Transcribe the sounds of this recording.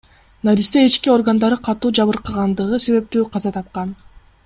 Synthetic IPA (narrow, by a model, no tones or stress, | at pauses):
naɾʲist̪eit͡ʃkio̞rɡand̪ɑɾɯqʰɑt̪uːd͡ʒɑβɯɾqɯʁɑnd̪ɯʁɯse̞βe̞p̚t̪yːqʰɑzɑt̪ʰɑp̚qɑn